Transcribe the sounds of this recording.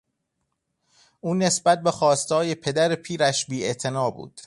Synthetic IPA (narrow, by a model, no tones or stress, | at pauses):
ʔuːne̞sbæt̪̚be̞xɒːst̪hɒːje̞pʰe̞d̪æɾepʰiːɾæʃbiːet̪ʰe̞nɒːbṵːd̪̥